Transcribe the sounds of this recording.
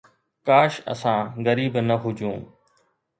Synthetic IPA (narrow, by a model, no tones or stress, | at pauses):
kaːʃɐ̰sãːɣɐɾiːbnɐɦʊd͡ʑʱũː